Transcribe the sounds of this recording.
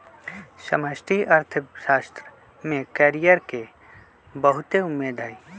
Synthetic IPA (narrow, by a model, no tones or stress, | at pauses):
sə̰məsʈʰiʔɐɾt̪ʰəʃaːst̪ɾə | mẽkɛːɾijəɾke | bəɦʊt̪eʊmeːd̪ʱaːi